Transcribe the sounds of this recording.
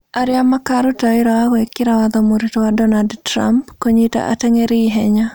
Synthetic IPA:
aɾɪamakaɾʊtawɪɾawawɛkːɪɾawad̪ɔmoɾitowadɔnaldtɾa̰mpkoɲita̰ʔa̰tɛŋeɾiɦɛɲa

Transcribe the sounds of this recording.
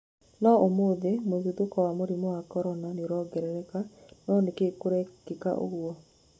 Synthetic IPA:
nɔomoðemoðuðokɔwamoɾimɔwakɔɾɔnaneɾɔɡɛɾɛɾɛkanɔnekekoɾɛkeka̰ʔo̰ɣwɔ

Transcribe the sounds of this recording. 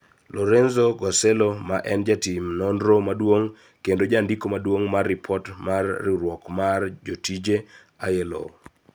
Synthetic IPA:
lɔɾenzoɡɔselomaʔɛnd͡ʒatimnɔndɾomadwoŋ | kendod͡ʒandikomadwoŋmarːɪpʰɔtmarːiɾwɔkmard͡ʒotid͡ʒe | ajelo̰

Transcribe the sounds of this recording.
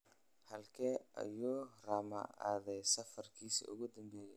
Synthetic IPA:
hɐlkʰɛːʔɐ̰juːraːmɐ̰ʔa̰ːðɛjsɐfɐrkʰiːsḭːʊ̰ɣʊd̪ɐmbɛːjɛ

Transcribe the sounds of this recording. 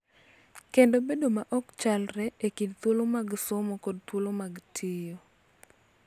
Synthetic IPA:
kendobedomaʔɔkt͡ʃalɾɛekidt̪wolomaɡsomokod̚t̪wolomaɡtʰɪjo

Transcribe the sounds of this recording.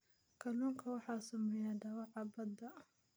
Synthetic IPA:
kʰɐluːŋkʰɐwɑħɑːsʊmɛjaːdɐwɑʕɑbɐd̪ɐ

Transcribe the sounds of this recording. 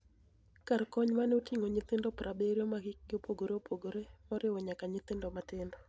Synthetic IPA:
karkɔɲmanotiŋoɲɪt̪ɪndɔpɾʔabeɾomaɡɪk̚ɡɪopoɡoɾeopʰoɡoɾemɔɾɪwɔɲakaɲɪt̪ɪndɔmatɪndɔ

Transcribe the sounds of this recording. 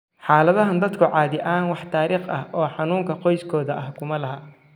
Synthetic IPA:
ħaːlɐðɐɦɐnd̪ɐd̪kʰʊʕɑːðɪʔaːnwɑħt̪ʰaːɾiːχɐ̰hʔɔːħɑnuːŋkʰɐqɔjskʰɔːðɐʔɐhkʰʊmɐlɐɦɐ

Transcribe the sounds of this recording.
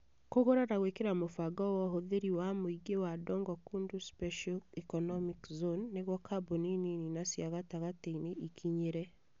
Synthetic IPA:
koɣoɾaɾaɣwekeɾamofaɡɔwɔɦoðeɾiwamoiɡewadɔːŋɡɔkunduspɛʃɔlikɔnɔmikzonːeɣwɔkʰaboninininasjaɣataɣateineʔikʰiɲeɾɛ

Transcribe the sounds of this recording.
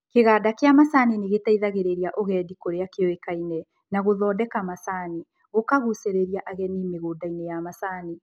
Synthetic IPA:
keɣaːdakeamasaːneneɣetaiðaɣeɾeɾiaʔoɣɛdikoɾeakeɔekainɛ | naɣoðɔːdɛkamasaːne | ɣokaɣuseɾeɾiaʔaɣɛnimeɣoːdainejamasaːne

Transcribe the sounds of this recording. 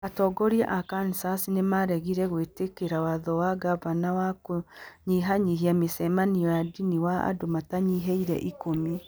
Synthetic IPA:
atɔːɡɔɾia̰ʔakanisasinemaɾɛɣiɾɛɣwetekeɾawaðɔwaɡaβanawakoɲiɦaɲiɦiamesɛmaniɔjadiniwaa̰domataɲiɦɛiɾɛ̰ʔikomi

